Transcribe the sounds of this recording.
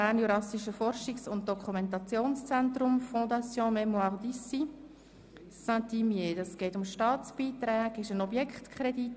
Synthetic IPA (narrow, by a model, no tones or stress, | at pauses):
æːnuɾɑsiʃəfɔɾʃiksʊnt̚d̥ɔkʰumɛ̃ntɑt͡sjoːnst͡sɛntɾʊmfɔ̃d̪ɑt͡sjɔ̃ːmɛmuaʁd̪isi | sãtimjedɑsɡ̥ɛːtʊmʃtɑːt͡sb̥iːtɾɛːɡɪʃənɔbjɛkχtkʰχɾedit